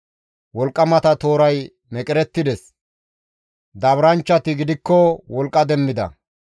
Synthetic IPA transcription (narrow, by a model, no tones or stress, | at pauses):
wɔlkʼːɐmɐt̪ɐt̪o̞ːɾɐj | mɛkʼɪɾɛt̪ːɪd̪ɛs | d̪ɐβɾɐnt͡ʃːɐt̪ɪɡɪd̪ɪkːɔwɔlkʼːɐd̪ɛmːɪd̪ɐ̰